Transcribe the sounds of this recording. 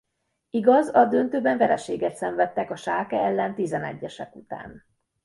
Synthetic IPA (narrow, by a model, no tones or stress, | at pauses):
iɡɒzɒd̪ønt̪øːbɛɱvɛɾɛʃeːɡɛt̪sɛɱvɛt̪ːɛkɒʃaːkɛɛlːɛnt̪izɛnɛ̰ɟːɛʃɛkut̪a̰ːn